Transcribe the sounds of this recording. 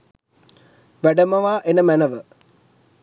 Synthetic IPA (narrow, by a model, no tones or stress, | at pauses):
ʋæɖəməʋaːʔenəmænəʋə